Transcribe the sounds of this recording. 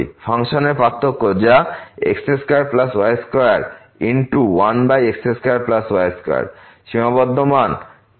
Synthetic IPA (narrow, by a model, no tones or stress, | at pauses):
pʰaŋʃoneɾpɾat̪ʰːokod͡ʑaḛkseskaɾplaswajeskɔjaɾ | iɳʈuwanbajekseskaaɾplaswajeska̰j̰ɾ | ʃimabɔd̪ʱːoman